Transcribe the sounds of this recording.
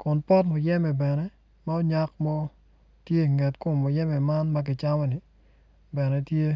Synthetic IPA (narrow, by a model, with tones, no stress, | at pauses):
kʊ˨npɔ˦tmɔ˨jɛ˦mɛ˨bɛ˨nɛ˦ | ma˦o˦ɲa˦kmɔ˦ | tje˦i˨ŋɛ˨tko˨mːo˨jɛ˦mɛ˨ma˦nmɐ˦k̬ɪ˨t͡ʃa˦mɔ˦ni˨ | bɛ˨nɛ˦tje˦